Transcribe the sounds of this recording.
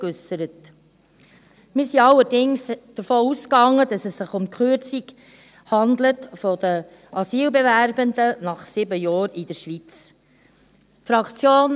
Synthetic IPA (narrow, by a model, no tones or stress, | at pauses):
øsəɾət | mɪɾsiɑlːəɾdɪŋsd̥əɾfɔːuskɑŋːədɑsɛsːɪχʊmkʰχøɾt͡sik | hɑnd̪lətfɔd̥̪ə | ʔɑsiːlbevæɾbəndənɑχsɪbəjɑːɾid̥əɾʃʋit͡s | fɾɑkt͡sjoːn